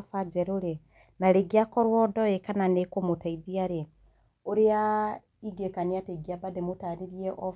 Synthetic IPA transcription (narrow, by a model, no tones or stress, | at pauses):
fad͡ʒeɾuɾe | naɾeɡiakɔɾwɔdɔekananekomutaiðiaɾe | oɾea | iɡekaniateɡiabademutaɾiɾjeʔo